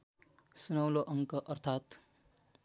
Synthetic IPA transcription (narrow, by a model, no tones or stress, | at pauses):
sunʌwloʔʌŋkʌʔʌrt̪ʰat̪